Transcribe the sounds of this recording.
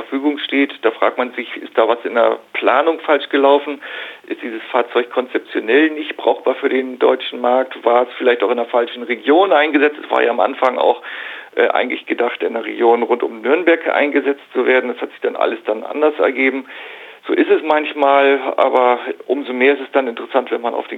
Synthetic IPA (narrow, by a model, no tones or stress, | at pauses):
ɐfyːɡʊŋʃteːtd̥aːfʁ̥a̰ːk̚tmanzɪçɪ̰st̚d̥aːvasɪndeɐpʰl̥aːnʊŋfalʃɡ̥əlaʊfn̩ʔɪstd̥iːzəsfaːɐt͡sɔʏçkʰɔnt͡sɛp̚t͡sjonɛlnɪçtb̥ʁaʊxb̥aːɐfyːɐɾeːndɔ̰ʏt͡ʃn̩maɐk̚tv̥aːɐɛsfɪlaɪçtaʊxɪndeɐfalʃn̩ʁeɡjoːnʔaɪnɡəzɛt͡stɛsv̥a̰ːɐja̰ːamʔa̰nfaŋa̰ʊxʔɛ̰ːʔa̰ɪɡŋ̩tlɪçɡ̥ədaχtɪndeːɐʁḛɡjoːnʁʊntʊmnʏɐnbɛɐkʔa̰ɪnɡəzɛt͡stt͡suveːɐdn̩dashatz̥ɪçd̥anʔa̰ləsd̥anʔa̰ndɐsɛ̰ɐɡeːbm̩z̥oːʔɪstɛsmançmaːlʔa̰ːbɐʔʊmzomeːɐɪstɛsd̥anɪntəʁəsantv̥ɛnmanʔa̰ʊfd̥eː